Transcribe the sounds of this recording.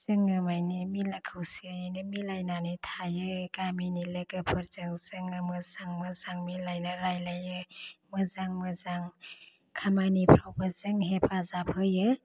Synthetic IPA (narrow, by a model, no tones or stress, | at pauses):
z̥ɯŋɯmajnimilakʰɯwsianɯmilajnanitʰajɯɡaminilɯɡɯpʰɯɾzɯŋzɯŋɯmɯzaŋmɯzaŋmilajnɯɾajlajɯmɯzaŋmɯzaŋ | kʰamanipʰɾawbɯzɯŋɦepʰazapʰɯjɯ